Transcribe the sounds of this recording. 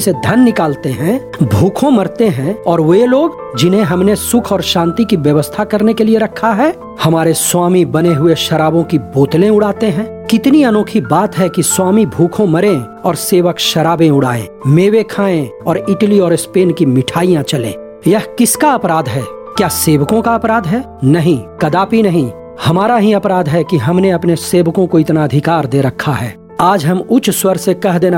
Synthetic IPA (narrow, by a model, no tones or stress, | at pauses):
sed̪ʱɐnːɪkaːlt̪eɦɛ̃bʱuːkʰõmɐɾt̪eɦɛ̃ɔːɾʋoeloːɡ | d͡ʒɪnɦẽɦɐmnesʊkʰɔːɾʃãːnt̪ikiʋjɐʋəst̪ʰakɐɾnekelieɾɐkʰːaɦɛː | hɐmaːɾeswaːmibɐneɦʊeʃɐɾaːbõkiboːt̪lẽʊɽaːt̪eɦɛ̃ː | kɪt̪niɐnoːkʰibaːt̪ɦɛkiswaːmibʱuːkʰõmɐɾẽ | ɔːɾseːʋəkʃɐɾaːbẽʊɽ̤a̰ːḛ̃ːmeːʋekʰaːẽɔːɾɪʈəliɔːɾɪspeːnkimɪʈʰaːijãt͡ʃɐlḛ̃ː | jɐɦkɪskaɐpɾaːd̪ɦɛː | kjaːseːʋəkõkaɐpɾaːd̪ɦɛː | nɐɦĩkɐd̪aːpinɐɦĩ | hɐmaːɾaɦiɐpɾaːd̪ɦɛkiɦɐmneɐpneseːʋkõkoɪt̪naɐd̪ʱɪkaːɾd̪eːɾɐkʰːaɦɛ̰ː | aːd͡ʒɦɐmʊt͡ʃswəɾsekɐɦd̪eːn